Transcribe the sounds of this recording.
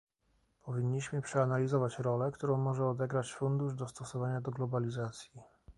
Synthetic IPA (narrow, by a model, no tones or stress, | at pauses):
pɔvʲiɲːiɕmɘpʂɛanalʲizɔvat͡ɕɾɔlɛkt̪uɾɔ̃w̃mɔʐɛɔd̪ɛɡɾat͡ɕfund̪uʐd̪ɔst̪ɔsɔvaɲad̪ɔɡlɔbalʲizat̪sʲji